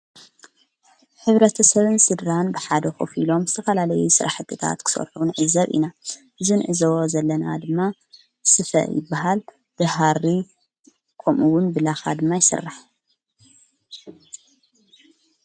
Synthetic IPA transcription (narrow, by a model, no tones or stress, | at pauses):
ħɨβɾɐt̪ʰɐsɐβɨnsɨd̪ɾanbɨħad̪ɐxofilo̞mzɨt̪ʰɐfɐlalɐjusɨɾʔaħɨt̪ʰːɨt̪ʰa̰t̪kʰɨ̥so̰ɾħunʕɨzɐβḭnaʔɨzɨnʕɨzɐβozɐlːɐnad̪ɨmːa | sɨfɐ̰jɪ̰bːaɦal | d̪̥ɨɦaɾi | kʰomʔuwʊnbɨlaxad̪ɨmːajɪsɨ̰rːaħ